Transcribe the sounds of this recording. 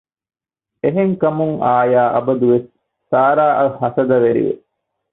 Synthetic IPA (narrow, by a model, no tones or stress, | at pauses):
eɦeŋkɐmuŋaːjaːʔɐbɐd̪uʋesː | aːɾaːʔɐhɐsɐd̪ɐʋeɾḭʋḛ